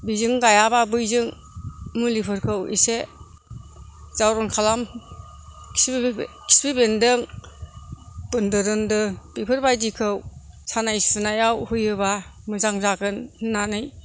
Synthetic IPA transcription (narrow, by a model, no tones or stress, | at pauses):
bizɯŋɡajababɯjzɯŋ | mɯlipʰɯɾkʰɯwḭse | z̥awɾɔnkʰalam | kʰi̥s | kʰi̥sbibendɯŋ | bɯndɯɾɯndɯbipʰɯɾbajdikʰɯw | sanajsɯnajawhɯjɯbamɯzaŋzaɡɯnnːanɯj